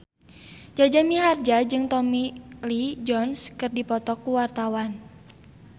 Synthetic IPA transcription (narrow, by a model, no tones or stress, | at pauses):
d͡ʒad͡ʒamiɦard͡ʒad͡ʒɨŋt̪ɔmilid͡ʒɔnskɨrdipɔt̪ɔkuwart̪awan